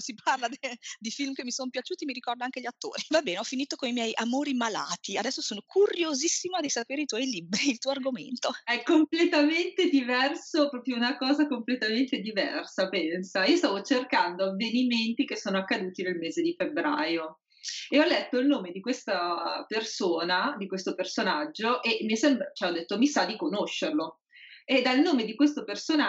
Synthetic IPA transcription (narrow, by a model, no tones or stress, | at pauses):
siparlad̪id̪ifilmkemːisonpjat͡ʃuːt̪imiɾikɔrd̪oaŋk̟eʎiat̪ːo̰ːɾivabɛːneɔfːiniːt̪okonimjɛjʔamoːɾimala̰ːt̪iad̪ɛsːosoːnokʰuɾjozisːimad̪isapeːɾeit̪wɔjlibɾiːlt̪uoarɡomḛnt̪oɛkːomplet̪ament̪ed̪ivɛrsopɾɔːpɾjounakɔːzakomplet̪ament̪ed̪ivɛ̰rsapɛnsaiːost̪aːvot͡ʃerkand̪oavːeniment̪ik̟esːoːnoakːad̪uːt̪inelmeːzed̪ifebɾa̰ːjo | eɔlːɛt̪ːoilnoːmed̪ikwest̪apersoːnad̪ikwest̪opersonad͡ʒːoʔemiɛsɛmbɾat͡ʃɛɔd̪ːet̪ːomisad̪ikonoʃːerlo | ed̪alnoːmed̪ikwest̪opersona